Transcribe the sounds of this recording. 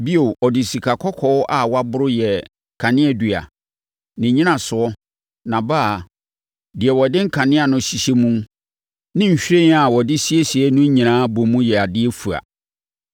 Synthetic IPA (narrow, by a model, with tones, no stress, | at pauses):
bi˦o˨ɔ˨dɪ˨si˨kʰa˨kʰɔ˦kʰɔ˦wʔa˦˨wa˦bʊ˦ɾʊ˦jɛ˨ | kʰa˨nɪ̃˦ɛ˦dɥa̰˨ | nɪ̃˨ɲĩ˦nã˨sʊ˨ɔ˦ | nã˨ba˦˨ | dɪ˨ɛ˨wɔ˨dɪ̃˦ŋ̩˦kʰã˨nɪ̃˦a˨nʊ̃˨ɕi˨ɕe˦mũ˦ | nɪ̃˦ɲ̩˨ɕᶣẽ˦n˦a˨wɔ˨dɪ˦si˦e˦si˨ɛ˦nũ˦ɲĩ˨nãː˦bo˨mũ˦jɛ˨a˨dɪ˦ɛ˦fu˨a̰˨